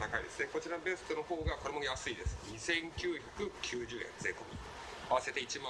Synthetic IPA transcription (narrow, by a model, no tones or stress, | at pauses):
t̪akaḭd̪e̞sɨneko̞t͡ɕiɾanobe̞sɨ̥t̪o̞no̞ho̞ːɡako̞ɾe̞mo̞jasɨid̪e̞sɨ̥ɲ̟isẽ̞ŋkʲɨːçakɯ̟kʲʰɨːʑɨːḛ̃nd͡zeko̞mʲḭ | aβase̞t̪e̞it͡ɕima